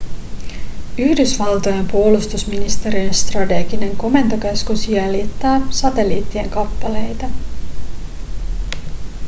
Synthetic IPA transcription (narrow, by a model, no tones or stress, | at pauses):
yhdysʋɑlt̪ojempuolust̪usminist̪e̞ɾienst̪rɑt̪eɡine̞ŋko̞me̞nt̪okeskusjælit̪ːæːsɑt̪e̞lḭːt̪ːie̞ŋkɑpːɑle̞jt̪ɑ